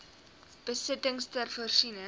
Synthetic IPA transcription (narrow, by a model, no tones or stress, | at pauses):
b̥əsətəŋstərfərʃinə